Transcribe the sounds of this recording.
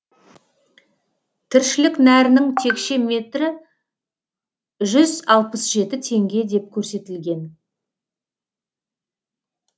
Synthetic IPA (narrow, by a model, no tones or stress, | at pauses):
t̪ʰɪɾʃɪlɪknæɾɪnɪŋt̪ʰe̞kʃe̞me̞t̪ɾɪ | ʒʏzɑlˠpəsʒe̞t̪ɪt̪ʰe̞ŋɡʲe̞d̪e̞p̚kʲʰɵɾse̞t̪ɪlɡʲe̞n